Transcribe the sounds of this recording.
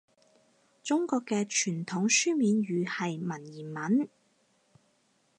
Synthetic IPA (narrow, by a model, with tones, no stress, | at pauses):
t͡sʊ˥ŋkɔː˧kːɛː˧t͡ʃʰyː˨˩nt̪ʰʊ˨˥ŋsyː˥miː˨˧nɥyː˨˧hɐ˨jmɐ˨˩njiː˨˩nmɐ˨˥n